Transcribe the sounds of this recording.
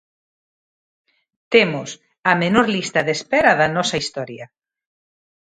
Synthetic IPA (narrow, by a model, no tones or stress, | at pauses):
t̪emʊs | ɐmenoɾlist̪ɐðespɛɾɐðɐnɔsɐist̪ɔɾjɐ